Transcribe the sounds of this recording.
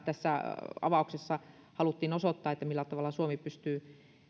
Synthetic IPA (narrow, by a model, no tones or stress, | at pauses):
t̪æsːæɑ̰ʋɑˑuksesːɑ | hɑlut̪ːiːnosot̪ːɑːet̪ːæmilːæt̪ɑʋɑˑlɑsuomipyst̪yː